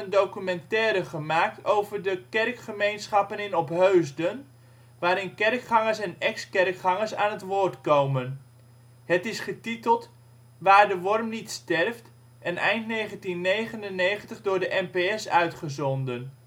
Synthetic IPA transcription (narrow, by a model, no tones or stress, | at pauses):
əndowkymɛntɛːɾəχəmaːk̚towvərdəkɛrkχəmejnsχɑpənɪnɔpɦøɥzdən | ʋaːɾɪnkɛrkχɑŋəɹsɛnɛkskɛrkχɑŋəɹsa̰ːnɦətʋʊːɹtkowmən | ɦətɪsχətitəlˠt | ʋaːɹdəʋɔrmnitstɛrft | ʔɛnʔɛjntnejχəntinːejχənənejχəntəχdʊːɹdəʔɛmpeɛsœɥtχəzɔndən